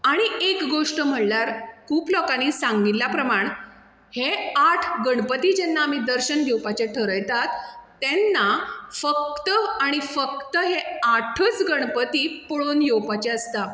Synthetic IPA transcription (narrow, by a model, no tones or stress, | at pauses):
aɽ̃iekɡoʂʈəm̤əɽlaɾkuːplɔkanisãŋɡilapɾəmaɳ | heaʈʰɡəɳpət̪iːd͡ʑɛnːaːmid̪əɾɕənjowpat͡ɕaʈʰəɾəjt̪at̪ː | ɛnːafək̚t̪əaɽ̃ifək̚t̪əɦeaʈʰət͡sɡəɳpət̪ipoɭonjowpat͡ɕeəst̪a